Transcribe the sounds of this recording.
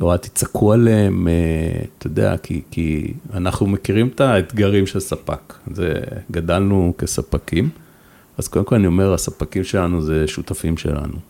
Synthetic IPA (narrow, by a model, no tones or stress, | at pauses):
loat̪i̥t͡sakʰualeemet̪odea̰kʰḭkḭanaχnumekiʁimtaet̪ɡaʁimʃelsapa̰kzḛɡadalnuke̞sapakim | azkodemko̞lanio̞me̞ʁasapakimʃe̞lanuze̞ʃut̪afimʃe̞̰la̰nu